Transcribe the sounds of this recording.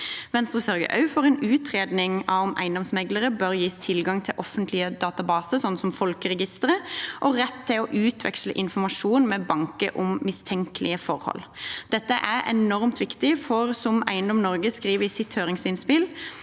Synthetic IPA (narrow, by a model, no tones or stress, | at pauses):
ʋɛnst̪ɾʁəsœɾɡə̰ʔɑ̰ʉfoːʁɛnʉːt̪ʰʁeːd̪nɪŋɑʋɔmæ̰ɪnd̪ɔmsmɛɡləʁəbœɾjiːst̪ʰɪlɡɑŋt̪ʰɪlʔɔfːənt̪ʰlɪəd̪ɑːt̪ɑbɑːsəsɔnːsɔmfɔlkəʁɛɡɪst̪əʁəʔɔɾɛt̪ʰːɪlɔʔʉːt̪ʰʋɛ̰kslə̰ʔɪnfɔmɑʂuːnmɛbɑŋkəʔʊmːɪst̪ʰɛŋkəlʔɪəfɔɾhɔ̰ld̪̥ɛt̪ːəʔæɾɛnɔʁmt̪ʰʋɪkt̪ɪfɔʁsɔmæ̰ɪənd̪ɔmnɔɾɡəskʁiːʋəɾɪsɪt̪høːʁɪŋsɪnspɪl